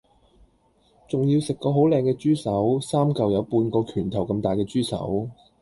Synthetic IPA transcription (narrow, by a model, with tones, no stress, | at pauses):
t͡sʊ˨ŋji˧wsɪ˨kːɔː˧ɦo˨˥wlɛː˧ŋkɛː˧t͡ʃyː˥sɐ˨˥wsaː˥mkɐ˨wjɐ˨˧wpuː˧nkɔː˧kʰyː˨˩nt̪ʰɐ˨˩wkɐ˧mt̪aː˨jkɛː˧t͡ʃyː˥sɐ̰˨˥w